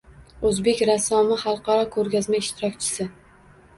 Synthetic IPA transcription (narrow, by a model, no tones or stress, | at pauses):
ɵzbe̞kʲɾasɒmɪχɑlˠqʰɑɾɒkʰɵɾɡʲazmaɪʃt̪ʰɪɾɒk̚ʲt͡ʃʰɪ̥sɪ